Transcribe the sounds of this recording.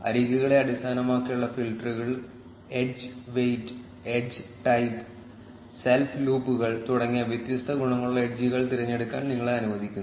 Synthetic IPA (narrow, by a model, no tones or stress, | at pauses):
ɐ̰ɾiɣuɣɐɭe̞ɐɽist̪ʰaːnɐmaːkːijuɭːɐfilʈɐruɣɐɭ | ed͡ʑɨʋejɖɨ | ed͡ʑɨʈɐjd̪ | selfluːpːuɣɐɭt̪uɽɐŋːijɐʋjet̪jɐst̪ʰɐɡuɳɐŋːɐɭuɭːɐeɖd͡ʑiɣɐɭt̪iɾɐɲːeɽukːa̰ːnniŋːɐɭɐnuʋɐd̪ʱikʲːunː